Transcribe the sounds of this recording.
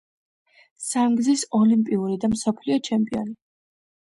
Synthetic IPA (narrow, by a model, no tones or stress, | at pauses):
samɡzisɔlimpʼiuɾid̪amsɔpʰliɔt͡ʃʰɛmpʼiɔ̰ni